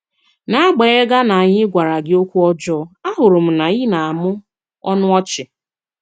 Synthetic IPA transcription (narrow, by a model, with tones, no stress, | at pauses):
na˦a˦ɡ͡be˨˦e˦ɡa˦na˨a˨ɲɪ˦ɡʷa˨ɾa˨ɡɪ˦o˦kʷu˦ɔ˦d͡ʒɔː˦a˦ɦʊ˨ɾʊ˨m̩˨na˨i˦na˨a˨mʊ˦ | ɔ˦nʊ˦ɔ˦t͡ʃɪ˨